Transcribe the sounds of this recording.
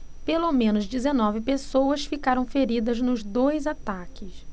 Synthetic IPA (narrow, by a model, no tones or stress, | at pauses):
pelomẽnʊzd͡ʒizenɔvɪpesowɐsfikaɾɐ̃w̃feɾid̪ɐznʊzd̪ojzat̪akɪs